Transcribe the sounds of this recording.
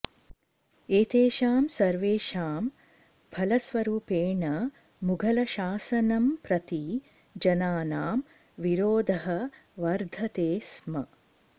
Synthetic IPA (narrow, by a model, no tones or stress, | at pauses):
eːt̪eːʃaːmsɐɾʋeːʃaːm | bʱɐlɐsʋɐɾuːpeːɳɐ | muɡʱɐlɐʃaːsɐnɐmpɾɐt̪i | d͡ʒɐnaːnaːm | ʋiɾoːd̪ʱɐɦɐʋɐɾd̪ʱɐt̪eːsmɐ